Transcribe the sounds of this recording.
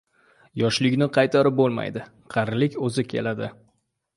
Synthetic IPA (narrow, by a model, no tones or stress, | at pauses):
jɒʃlɪkʲnɪqʰɑjt̪ʰaɾɪp̚bolˠma̰jd̪ɪ | qʰɑɾlɪkʲɵzɪkʲʰe̞̰lad̪ɪ